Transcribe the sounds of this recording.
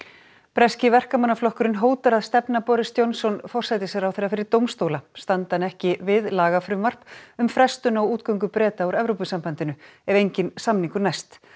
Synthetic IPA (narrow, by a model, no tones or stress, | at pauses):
pɾɛscɪvɛr̥kamanːaflɔhkʏɾɪnɦoːwt̪aɾaðst̪ɛpnapɔɾɪst̪jownsɔnfɔr̥sajt̪ɪsjɛɾawθejɾafɪɾɪɾt̪owmst̪oːwlast̪ant̪anɛhcɪvɪðlaːɣafɾʏmvar̥pʏmfɾɛst̪ʏnawuːt̪̚kœwŋkʏpɾɛːt̪auɾɛvɾowpʏsampant̪ɪnʏɛvejɲcɪnsamniŋkʏnajst̪